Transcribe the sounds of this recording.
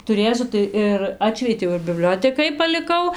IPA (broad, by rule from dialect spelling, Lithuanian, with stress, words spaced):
tʊˈrʲeːsʲʊ tɐɪ ɪr ˈɑːtʲʃʲʋʲiɛtʲɛʊ ɪr bʲɪˈbʲlʲoːtʲɛkɐɪ pɐlʲɪˈkɐʊ